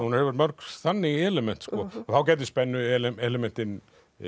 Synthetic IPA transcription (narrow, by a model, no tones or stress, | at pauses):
unɾɛvɛɾt̪mœɾkθanːɪɛlɛmɛn̥t̪skɔθawcɛːjt̪̬ɪst̪pɛnːʏɛɛlɛmɛn̥t̪ɪn